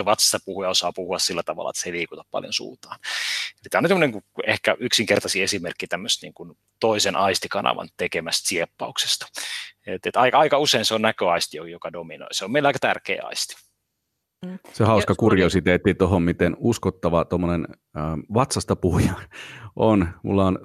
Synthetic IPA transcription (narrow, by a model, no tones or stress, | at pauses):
eʋɑt̪sɑ̥st̪ɑpuhujɑosɑːpuhuɑssilːæt̪ɑʋɑ̰lːɑ̰et̪seiliːkut̪ɑppɑ̰ljo̰nsṵːt̪ɑːnelit̪æːonyt̪semːoneŋkuḛhkæʔyksiŋkert̪ɑsiesimerkːit̪æmːøst̪nḭːŋkun | t̪oisenʔɑist̪ikɑnʔɑ̰ʋɑ̰nt̪ekemæst̪siepːɑukse̥st̪ɑ̥et̪et̪ɑikɑikɑuseinseonnækøɑist̪ijojokɑdomino̰iseomeilɑikɑt̪ærkḛːɑ̰ist̪i̥ | sehɑuskɑkurjosit̪eːt̪ːit̪oɦommit̪enuskot̪ːɑʋɑt̪omːonen | ʋɑt̪sɑst̪ɑpuhjɑnonmṵlːɑon